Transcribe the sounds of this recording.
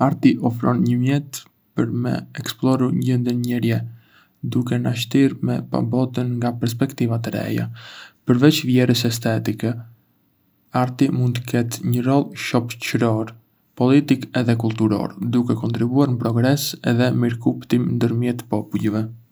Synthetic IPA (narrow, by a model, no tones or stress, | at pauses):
aɾt̪iʔɔfɾɔnɲəmjɛt̪ | pəɾmɛ̰ɛksplˠɔɾuɾɲɟənd̪ənɲɛɾjɛ | d̪ukɛnaʃ̬t̪iɾmɛpa̰bɔt̪ənŋɡapɛɾs̬pɛkt̪ivat̪əɾɛ̰ja̰pəɾvɛt͡ʃvjɛɾəsɛs̬t̪ɛt̪ikɛ | aɾt̪imund̪t̪əkɛt̪ɲəɾɔlˠʃɔpt͡ʃɾɔɾ | pɔlit̪ikɛðɛkulˠt̪uɾɔ̰ɾd̪ukɛkɔnt̪ɾibuaɾnəpɾɔɡɾɛsɛðɛmiɾkupt̪imnd̪əɾmjɛt̪pɔpulˠvɛ